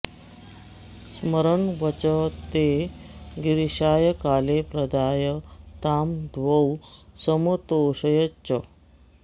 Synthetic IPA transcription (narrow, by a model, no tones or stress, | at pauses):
sməɾəɳʋət͡ɕət̪e | ɡiɾiɕaːjəkaːlepɾɐd̪aːjət̪aːmd̪ʱʋəwsəmət̪oːɕəjət͡ɕə